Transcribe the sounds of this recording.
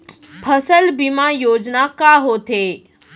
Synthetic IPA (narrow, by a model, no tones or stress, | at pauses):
pʰəsəlbimajoːd͡ʑnakaɦoːt̪e